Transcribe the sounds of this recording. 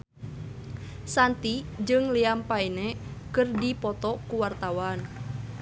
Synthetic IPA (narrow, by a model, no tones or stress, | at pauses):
sant̪id͡ʒɨŋliampainɛkɨrdipɔt̪ɔkuwart̪awan